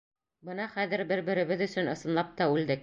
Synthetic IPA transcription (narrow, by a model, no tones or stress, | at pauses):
bɤnɑχæðɘ̆ɾbɘɾbɘ̆ɾɘ̆βɘðɵ̆sɵ̆nɤ̆sɤ̆nlˠɑp̚t̪ɑʉld̪ɘk